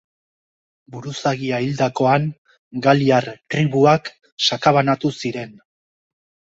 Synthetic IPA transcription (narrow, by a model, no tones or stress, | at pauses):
buɾusaɣiaild̪ako̞aŋ | ɡaliaɾt̪ɾiβuak | sakaβanat̪usiɾe̞n